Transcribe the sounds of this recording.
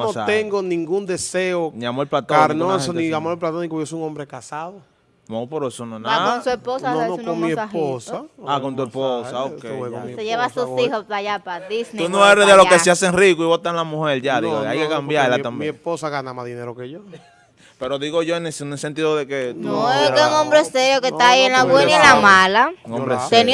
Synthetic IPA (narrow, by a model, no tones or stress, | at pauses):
sat̪eŋɡonĩŋɡund̪eseoniamoelplat̪oaɾnosoniamoelplat̪onikojosojuŋombɾekasaðo | mopoɾoesononansuesposanonokomiesposaakont̪̬uesposaokeeoseʝeβasusihosajapaðisneunoeɾeðelokeeaseŋrikuiβot̪anlamũheɾʝaðiɣoajkekambjaɾlaambesposaɣanamaðineɾokeʝo | peɾoðiɣoʝoenenelsent̪iðoðeketnuoeeuŋõmbɾeseɾjokest̪aienlaβwenailamalauŋombɾesen